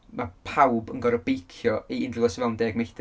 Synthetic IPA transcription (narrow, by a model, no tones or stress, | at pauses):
mapʰawbənɡɔɾɔb̥ejkʰjɔʔiɪndlɡɔsvɛlˠndeːɡmajd